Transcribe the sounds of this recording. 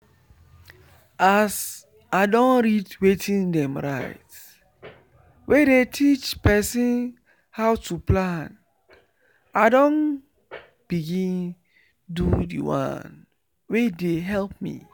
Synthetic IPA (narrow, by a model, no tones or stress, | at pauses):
as | aɪdɔ̃nɹidwetʰĩndɛ̃mɹaɪt | wedetʰit͡ʃpɛsĩn | hawtʰuplãn | aɪdɔ̃n | b̥iɡĩn | dudḭwã̰n | wedeɦɛlp̚mḭ